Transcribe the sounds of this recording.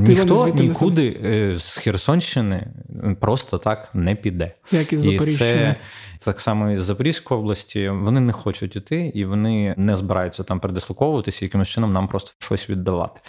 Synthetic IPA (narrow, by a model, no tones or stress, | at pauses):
nʲixt̪ɔnʲikud̪ɪz̥xʲirsɔnʲʃt͡ʃːɪnɪ̰pɾɔst̪ɐt̪ɑknɛpʲid̪ɛ | jɐkizɐipɾʲisɛt̪ɑksɑmɔizːɐpɐɾʲiwʲsʲkʊjɔblˠɐsʲtʲiʋɔnɪnɛxɔt͡ʃʊtʲit̪ɪiʋɔnɪnɛzbɪɾʔɑjʊtʲt͡sʲːɐt̪ɑmpɾed̪ɪsˠɐkɔʋʊʋɐt̪ɪsʲɐjɐkɪmʊst͡ʃɪnɔmnɑmpɾɔst̪ɔ̥ʃɔsʲʋʲid̪ːɐʋɑ̰t̪ɪ̥